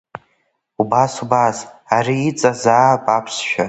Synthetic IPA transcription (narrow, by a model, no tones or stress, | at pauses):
ubasubasaɾiːt͡sʼazaːpʼapʰsʃᶣa